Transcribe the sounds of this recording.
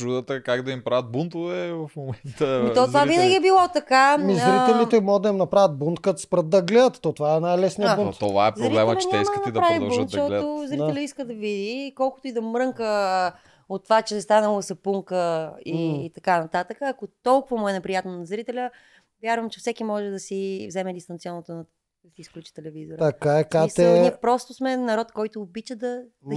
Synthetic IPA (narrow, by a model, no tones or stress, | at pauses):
ɾud̪ət̪əkaɡd̪ɐimpɾavʲət̪̚bunt̪ovɛvɐfmomɛnt̪ət̪ɔt̪vavinəɡʲiɛbilˠɔt̪ɐkamizɾɾit̪ɛliɛmɔɡəd̪ɐimnɐpɾavʲət̪̚bunt̪kət̪spɾət̪̚d̪ɐɡlɛd̪ət̪ːɔt̪ovaɛnajlɛsnijəbunt̪t̪ova̰ɛpzɾɾbilɛmɛəlʲɐt͡ʃɛɲɛimskət̪ɐid̪ɐpɾavid̪ɐbunt̪ʃʃt̪ɔt̪ozɾit̪ɛlʲəiskəd̪ɐvid̪ikɔlˠkʊt̪oid̪ɐmɾɤŋkə | ot̪ːovat͡ʃɛst̪anəlˠəsɐpuŋkəiːt̪ɐkanɐt̪at̪əkəːkot̪ɔlˠkʊvɐmoɛnɛpɾijat̪nonɐzɾit̪ɛlʲə | vʲjaɾvɐmt͡ʃɛfsɛkimɔʒɛd̪ɐsivzɛmɛd̪ist̪ɐnt̪siɔnːot̪onɐ | siːsklʲut͡ʃi̥t̪ɛlɛvizoɾt̪ɐkaɛkaist̪ɛniɛpɾɔst̪ʊsmɛnɐɾɔt̪kɔjt̪oːbit͡ʃəd̪ɐ